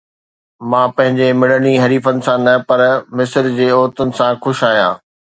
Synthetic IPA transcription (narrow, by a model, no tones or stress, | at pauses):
mãːpɐ̃ɦɪ̃ɲd͡ʑemɪɽəniɦɐɾiːfənɪ̆sãnɐpɐɾmɪsəɾd͡ʑeːɔːɾt̪ənɪ̆sãxʊʃaːɦijã̰ː